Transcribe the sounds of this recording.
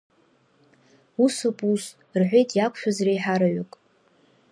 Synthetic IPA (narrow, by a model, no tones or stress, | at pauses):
usopʼus | rħʷejtʼjakʷʰʼʃᶣazrejħaɾaɥʊkʼ